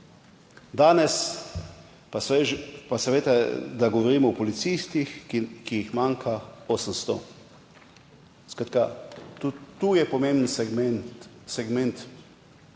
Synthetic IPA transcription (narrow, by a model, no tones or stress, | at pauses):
d̪aːnɛs | paepasaʋeːt̪ad̪aɡɔʋɔɾiːmɔɔpɔlit̪sist̪ixkijixmaŋkʰaoːsəmst̪ɔ | skat̪ka | t̪ujɛpɔmẽmbn̩smɛnsɛɡmɛnt̪